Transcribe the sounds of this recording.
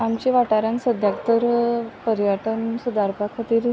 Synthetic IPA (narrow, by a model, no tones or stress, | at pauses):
amt͡ɕiʋaʈaɾãnsəd̪ʱjakt̪əɾpəɾjəʈənsud̪aɾpakʰat̪iːɾ